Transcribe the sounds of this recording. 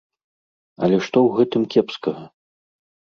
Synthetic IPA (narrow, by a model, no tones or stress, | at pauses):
ɐ̰lʲɛʂt̪ɔwɣɛt̪ɨmkʲɛpskɐɣɐ